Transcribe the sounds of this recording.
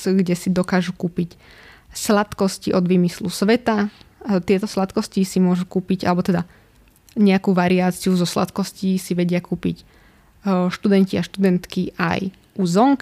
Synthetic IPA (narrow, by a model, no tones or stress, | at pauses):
ɡɟɛsid̪ɔkaːʒukuːpicslat̪kɔsciʔɔd̪ʋiːmislusʋɛt̪at̪ɪɛt̪ɔslat̪kɔscisimʊɔʒukuːpiɟa̰lɛbɔt̪ɛd̪a | ɲɛakuːʋaɾiaːt͡siuzɔsla̰t̪kɔsciːsiʋɛɟɪakuːpḭc | ʃt̪ud̪ɛnciaʃt̪ud̪ɛnt̪kiʔa̰j | ʔuzʋɔŋk